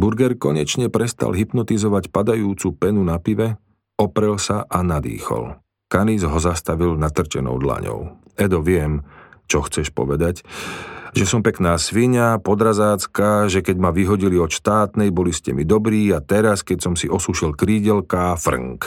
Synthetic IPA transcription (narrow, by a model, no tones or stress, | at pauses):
buɾɡɛɾkɔɲɛt͡ʃɲɛpɾɛst̪a̰lɦipnɔt̪izɔʋacpad̪ajuːt͡supɛnunapiʋɛ | ɔpɾɛlsaʔanad̪ḭːxɔ̰l | kanizɦɔzast̪aʋilnat̪r̩t͡ʃɛnɔ̰ʊd̪la̰ɲɔ̰ʊ | ɛd̪ɔʋɪɛmt͡ʃɔxt͡sɛʃpɔ̰ʋɛd̪ac | ʒɛsɔmpɛknaːsʋiɲapɔd̪ɾazaːt͡skaʒɛkɛɟmaʋiɦɔɟiliɔt̪ʃt̪aːt̪nɛjbɔliscɛmid̪ɔbɾiːat̪ɛɾaskɛcsɔmsiʔɔsuʃilkɾiːɟɛlkafr̰ŋk